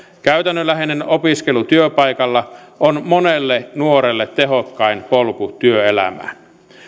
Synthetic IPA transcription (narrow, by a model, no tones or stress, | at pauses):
kæyt̪ænːølːæɦenenopiskelut̪yøpɑjkɑlːɑonmonelːenuoɾelːet̪ːe̞ɦokːɑinpolkut̪yøelæ̰mæ̰